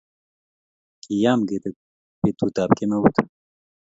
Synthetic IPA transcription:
kijaːmɡet̪e | pet̪ut̪aːp̚kemɐwut̪ʰ

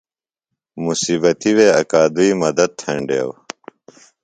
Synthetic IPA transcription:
musiːbɐt̪iweːɐkaːd̪uiːmɐd̪ɐd̪̚t̪ʰẽɳɖḛːw

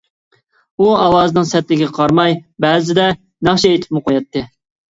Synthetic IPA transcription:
uɑlˠɑːzɨnɨŋsɛt̪lɪkʲɛqʰɑɾmɑjbɛːzɪd̪ɛ | næχt͡ʃɛet̪ʰɪ̥p̚mɨqʰojɑt̪ʰːɨ

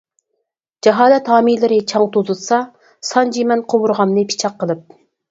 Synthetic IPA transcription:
d͡ʒɑɦɑːlɛt̪hɑːmilɪɾɪt͡ʃʰɑŋt̪ʰozɨlˠsɑ | sɑnd͡ʒimɛnqʰowuɾʁɑmnɨpʰi̥t͡ʃʰɑqːəlˠɨp̚

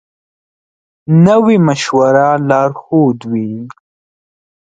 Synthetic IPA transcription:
nəwimaʃwaɾalɑːɾxod̪wi

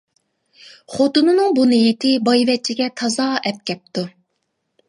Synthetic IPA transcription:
χot̪unɨnɨŋbunɨjit̪ʰɪbɑjvɛt͡ʃʰiɡʲɛt̪ʰɑzɑːɛp̚kʲɛp̚t̪ʰu

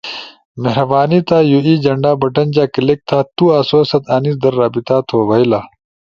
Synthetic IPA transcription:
meɦɾɐbaːniːt̪aːjuiːd͡ʑɐɳɖaːbɐʈɐnd͡ʑaːkilek̚t̪ʰaːt̪uːaːsoːsɐt̪aːnisd̪ɐɾːaːbit̪aːt̪ʰoːbɐilaː

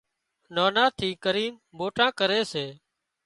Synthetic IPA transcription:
naːnaːt̪ʰiːkəɾiːnboːʈãːkəɾeːseː

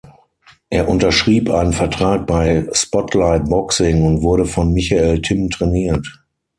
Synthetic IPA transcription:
ʔeːɐʔʊntɐʃʁ̥iːpʔaɪnənfɛɐtʁ̥aːk̚b̥aɪspɔtʰlaɪt̚b̥ɔksɪŋʊntv̥ʊɐɾəfɔnmɪçaeːltʰɪmtʁ̥ɛniːɐt

